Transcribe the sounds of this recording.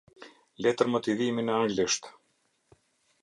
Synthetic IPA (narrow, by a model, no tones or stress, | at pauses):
lɛt̪əɾmət̪iðiminɛaŋɡliʃt̪